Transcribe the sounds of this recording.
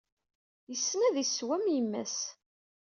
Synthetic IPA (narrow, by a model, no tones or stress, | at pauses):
jəsːnæðiswæmjimːæ̰s